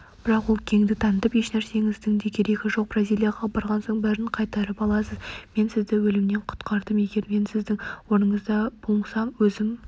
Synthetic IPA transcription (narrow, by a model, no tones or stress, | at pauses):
b̥ɪɾɑqwo̞lˠkʲʰe̞ŋd̪ɪt̪ʰɑnət̪əpe̞ʃnæɾse̞ŋɪzd̪ɪŋd̪ekʲʰe̞ɾe̞kʲɪʒo̞q̚b̥rɑzʲijlʲijaʁɑbɑɾʁɑnsoɴbæɾɪɴqʰɑjt̪ɑɾəpɑlˠɑsəzme̞nsɪzd̪ɪwɵlɪmne̞ɴqʰʊ̥t̪qɑɾd̪əme̞ɡʲe̞ɾme̞nsɪzd̪ɪŋwo̞ɾnəɴəzd̪ɑb̥oɴsɑmwɵzɪm